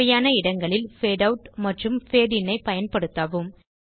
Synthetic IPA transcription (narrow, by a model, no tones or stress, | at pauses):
ɐjaːnɐɪɽɐŋɡɐɭɪlfeːɽɐʋʈmɐʈrɯmfeːɽɪnːɐɪpɐjɐnpɐɽɯt̪ːaːʋɯm